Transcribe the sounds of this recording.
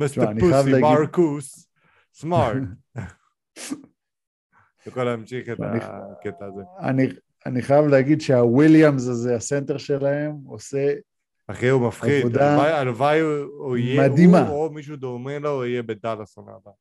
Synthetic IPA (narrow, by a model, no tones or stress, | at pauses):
misaaniajavleamaɾkusː | maɾt | bekolaemʃiχeta̰niket̪aːzea̰ni | aniχajavleaɡid̪ʃeawiljamzazease̞nt̪eʁʃe̞lae̞mose̞ | aχeumafχaid̪od̪aajalvajijmad̪imaomiʃud̪omeloijebed̪alasona̰da